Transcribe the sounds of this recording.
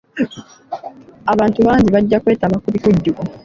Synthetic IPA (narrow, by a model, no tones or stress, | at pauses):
aβaːntuβaːɲɟiβaɟːakwe̞ːtaβakuβikuɟːuko